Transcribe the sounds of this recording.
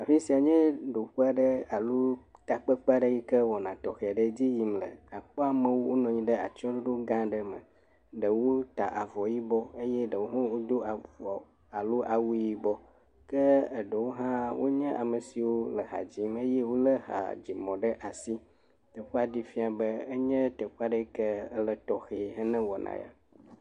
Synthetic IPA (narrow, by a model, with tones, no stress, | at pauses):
a˨fi˦si˨a˨ɲɛ̃˦ɖo˨ɸu˦a˦ɖə˦a˨lo˦t̪a˨k͡pə˦k͡pa˦ɖə˦ji˦kə˦wɔ˨nã˨t̪ɔ˨xɛ˨a˨ɖə˦d͡ʑi˦ji˨mlə̰˨a˨k͡pɔ˦a˨mə̃˦wo˦wʔo˦nɔ̃˨ɲĩ˦ɖə˦a̰˨t͡ʃɔ̃˦ɖo˦ɖo˦ɡã˦ɖə˦mə̰̃˨ | ɖə˨wo˦t̪a̰˨ʔa˨vɔ˨ji˦bɔ˦e˦jɛ˦ɖə˨wo˦ɦɔ̃˦wo˦d̪o˦a˨vɔ˨ | a˨lo˦ʔa˨wu˦ji˦bɔ˦ | kə˦ə˨ɖə˨wo˦ɦã˦wo˦ɲɛ̃˦ʔa̰˨mə˨si˨wo˦lə˨ɦa̰˨d͡ʑi˦me˦jɛ˦wo˦lə˦ɦa̰˨d͡ʑi˨mɔ̃˨ɖə˦ʔa˨si˦ | t̪ə˨ɸu˦a˦di˦fi˦a˨bə˦ə˦ɲɛ̃˦t̪ə˨ɸu˦a˦ɖə˦kə˦ə˦lə˨t̪ɔ˨xɛ˨ɦə˦nə̃˦wɔ˨nã̰˨ja̰˨